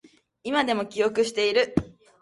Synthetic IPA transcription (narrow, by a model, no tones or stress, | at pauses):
imad̪e̞mo̞kʲijo̞kɯ̟ɕi̥t̪e̞iɾɯ̟